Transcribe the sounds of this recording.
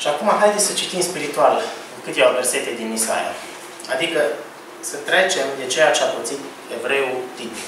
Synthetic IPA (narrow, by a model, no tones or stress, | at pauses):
ʃiakumaɦajd̪esət͡ʃit̪imspiɾit̪ual | kɨt̪evave̞rse̞t̪e̞d̪inisa̰ja̰ | ad̪ikə | sət̪ɾe̞t͡ʃe̞md̪e̞t͡ʃejat͡ʃeapot̪sit̪ | e̞vɾe̞ut̪it̪